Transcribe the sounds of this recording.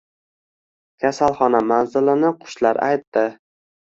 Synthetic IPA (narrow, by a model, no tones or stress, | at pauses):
kʲʰasalˠχɒnamanzɪlɪnɪqʰʊ̥ʃlaɾa̰jt̪ːɪ